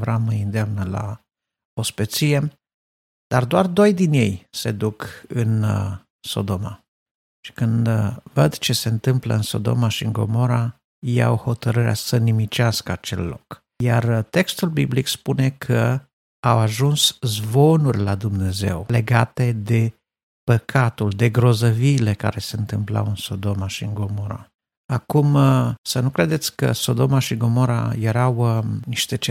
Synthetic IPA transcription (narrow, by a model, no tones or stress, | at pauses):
vɾaməjɨnd̪eamnəla̰ | ospet̪sije̞ | d̪̥ard̪oard̪o̞jd̪inje̞jse̞d̪ukɨn | so̞̰d̪o̞ma̰ | ʃi̥kɨnd̪vəd̪t͡ʃe̞se̞ɨnt̪ɨmplə̰ɨnso̞̰d̪o̞̰maʃiɨŋɡo̞̰mo̞ɾa | ja̰who̞t̪əɾɨɾeʔa̰sənimit͡ʃaskəat͡ʃe̞̰lːo̞̰k | jart̪e̞kst̪ulbiblikspune̞kʰə | awaʒunszvo̞nurʲlad̪umne̞ze̞̰wle̞ɡat̪e̞d̪e̞ | pəkʰat̪uld̪e̞ɡɾo̞zəviːle̞ka̰ɾe̞se̞ɨnt̪ɨmpla̰wɨnso̞d̪o̞maʃiɨŋɡo̞mo̞ɾa̰ | akumsənukɾe̞d̪e̞t̪sʲkə̰so̞d̪o̞maʃiɡo̞mo̞ɾa̰je̞ɾawniʃt̪e̞t͡ʃe